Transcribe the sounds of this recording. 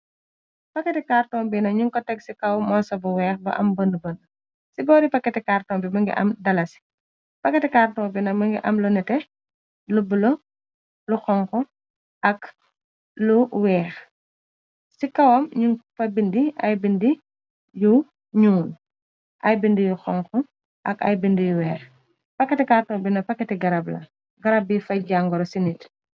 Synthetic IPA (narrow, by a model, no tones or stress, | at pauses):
pɐkːɛtɛkaːrtɔːmbinɐɲuŋkɔtɛɡsikɐwmɔsɐbɐwɛːxbɐ̰ʔɐ̰mbəndəbən | sibɔːɾipɐkːɛtɛkaːrtɔːmbimɐŋɡɛ̰ʔɐ̰mdɐlɐsi̥ | pɐkːɛtɛkaːrtɔːbinɐmɐŋɡiʔɐmlɔnɛtɛ | lubulɐ | luxɔŋkɔ | ʔɐk | luwɛːx | sikɐwɐmɲufɐbindiʔɐ̰jbindi | ju | ɲuːn | ʔɐjbindijuxɔŋxɔ | ʔɐ̰kɐ̰jbindijuwɛːx | pɐkːɐtɛkaːrtɔːbinɐpɐkːɐtiɡɐɾɐblɐ̰ | ɡɐɾɐb̚ifɐɟaŋɡɔɾɔsinit